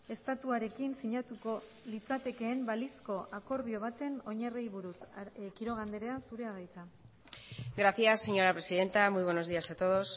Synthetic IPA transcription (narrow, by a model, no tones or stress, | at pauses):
e̞st̪at̪uaɾe̞kinsiɲat̪uko̞ | lit͡sat̪e̞ke̞ːmbalisko̞ʔako̞ɾð̞io̞β̞at̪e̞no̞ɲarejβuɾuskiɾo̞ɣand̪e̞ɾe̞asuɾe̞aɣejka | ɡɾaθjasːe̞ɲo̞ɾapɾe̞siðe̞nt̪amujβwe̞no̞zðiasat̪o̞ðo̞s